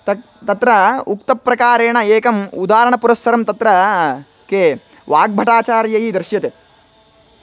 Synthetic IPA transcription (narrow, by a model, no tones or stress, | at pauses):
t̪ɐ | t̪ɐt̪ɾɐukt̪ɐpɾɐkaːɾeːɳɐeːkɐmud̪aːɾɐɳɐpuɾɐsːɐɾɐmt̪ɐt̪ɾɐ | ke | ʋaːɡ̚bʱɐʈaːt͡ʃaːɾjɐɦid̪ɾʃjɐt̪e